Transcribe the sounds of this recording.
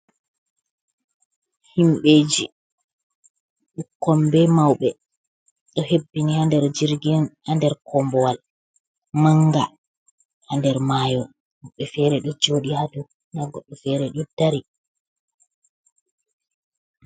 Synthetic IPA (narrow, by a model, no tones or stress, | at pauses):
himɓeːd͡ʒi | ɗukːɔmbɛmawɓɛ | ɗɔhebːiniandɛɾd͡ʒiɾɡinandɛɾkʰɔmbɔwal | maŋɡa | andɛɾmaːjɔ | mɓɛfɛːɾɛɗɔd͡ʒoːɗihadu | ndaɡɔɗːɔfɛɾɛɗɔd̥aɾi